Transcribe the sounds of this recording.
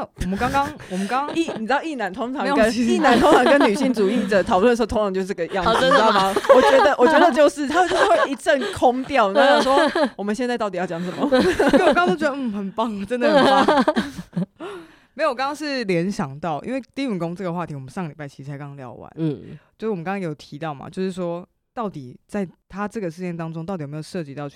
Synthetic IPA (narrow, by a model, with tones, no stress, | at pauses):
na˥˩wɔ˨˩mə˦nkɑ˥ŋkɑ˥ŋwɔ˨˩mə˦nkɑ˥˦ŋ˥ŋi˥˩n̩˨˩˨ɑ˥˧˩i˥˩na˨˦nt̪ʰo˥ŋt͡sʰɑ˨˦ə˦ni˥˩na˧˥nt̪ʰo˥ŋt͡sʰɑ˧˥ŋkə˦˥nːy˨˩ɕi˥˩ŋt͡su˨˩i˥˩d̪ə˩t̪ʰɑ˨˩ʊlə˩əsʂt̪ʰŋʰ˥ɑ˧˦ŋt͡ɕjo˧ʊʂ̬̩˥˩˧ɡə˧jɑ˥˨ŋa˥fɑ˦wɔ˨˩t͡ɕɥɛ˧˦˥d̪ə˨wɔ˨˩t͡ɕɥɛ˧˥d̪ə˨t͡ɕjo˥˧ʊʂɻ̩˥˩t̪ʰa˥˨˩t͡ɕd̪ə˧˥we˥˩ɪi˧ʈ͡ʂə˥˩nkʰo˦ŋt̪jɑ˥˨ʊn˨˥˩swɔ˦˥wɔ˨˩mə̃˨nɕjɛ˥˧nt͡sa˥ɪt̪ɑ˥˩ʊi˨jʊt͡ɕjɑ˨˥ŋʂə˨˩˦mə˦˨˧kt̪o˥ʊt͡ɕʲɥd̪ə˧m̩˥˩xə˨˩npɑ˥˩ŋʈ͡ʂə˦nd̪ə˨˥˦ | me˧˥ɪo˨˩kɑ˥ŋɑ˥ŋʂɻ̩˥˩ljɛ˧˥nɕjɑ˨˩ŋt̪ɑ˥˩ʊʔḭ˥nwe˥˩ɪt̪i˥i˨˩nko˥ŋʈ͡ʂɤ˥˩ɡə˩xwa˥˨˩i˥wɔ˨˩mə˦nʂɑ˥˩ŋə˩li˨˩pa˥ɪt͡ɕʰi˧˥ɻ̩˥˩t͡sʰa˧˥kɑ˥ŋljɑ̰˧˥ʊwa̰˧˦n̩˥˩t͡ɕo˥˧˥wkɑ˥kɑ˥ŋjjo˨˩t̪ʰi˧˦˥t̪ɑ˥˩ʊma̰˨˩t͡ɕjo˥˧ʊʂɻ̩˥˩ʂwɔ˥ | t̪ɑ˥˩ʊt̪i˨˩t͡sa˥˩ɪt̪ʰa˥ʈ͡ʂɤ˥˩ɡə˩ʂɻ̩˧jɛ˥˩nt̪ɑ˥ŋʈ͡ʂʊ˥ŋt̪ɑ˥˩t̪i˨˩˧jo˨˩ʂɤ˥˧˩t͡ɕi˧t̪ɑ˥˧ʊt͡ɕʰy˥˩